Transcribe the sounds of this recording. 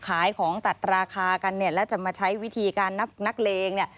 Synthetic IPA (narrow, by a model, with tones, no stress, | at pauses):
kʰaː˩˦jkʰɔː˩˦ŋt̪a˨˩t̪̚ɾaː˧kʰaː˧ka˧nːi˥˩ɐlɛː˦˥wt͡ɕa˨˩maː˧t͡ɕʰa˦˥jwi˦˥t̪ʰiː˧kaː˧nːa˦˥p̚na˦˥k̚leː˧ŋni˥˩ɐ